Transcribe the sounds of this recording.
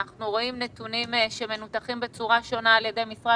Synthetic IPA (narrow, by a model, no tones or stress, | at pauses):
aχnuʁo̞imnet̪unimʃe̞menut̪aχimbe̞t͡suʁaʃo̞naːljedejmisʁa